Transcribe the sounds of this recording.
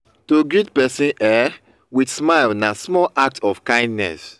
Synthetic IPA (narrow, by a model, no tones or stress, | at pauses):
toɡɹitpɛsĩnʔɛ | widsmaɪlnasmɔlʔak̚tɔfkãɪ̃ndnɛ̰s